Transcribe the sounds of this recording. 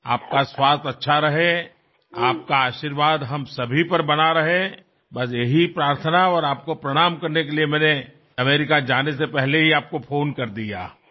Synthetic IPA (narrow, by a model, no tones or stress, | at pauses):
a̰ːp̚kaswaːst̪ɐtːʃʰaɾɐɦe | aːp̚kaaːʃiɾʋaːd̪ɦɐmsɐbʱipɐɾbɐnaɾɐɦẽ | bɐs̬jeɦipɾaːɾt̪ʰənaɔːɾaːp̚kopɾɐɽ̃aːmkɐɾnekeliemɛ̃ːne | ɐmeːɾɪkad͡ʒaːnesepɛɦleɦiaːp̚kopʰoːnkɐɾd̪ija̰ː